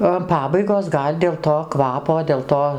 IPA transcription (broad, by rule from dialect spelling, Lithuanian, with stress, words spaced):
oː ɐn ˈpɑːbɐɪɡoːs ˈɡɐlʲ dʲeːlˠ toː ˈkʋɑːpoː dʲeːlˠ ˈtoː